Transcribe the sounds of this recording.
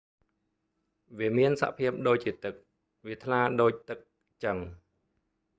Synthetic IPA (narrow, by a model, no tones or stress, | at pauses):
ʋiəmiənsa̰ʔpʰiəp̚ɗoːc̚t͡ɕiət̪ɨk̚ | ʋiət̪ʰlaːɗoːc̚t̪ɨk̚ | t͡ɕəŋ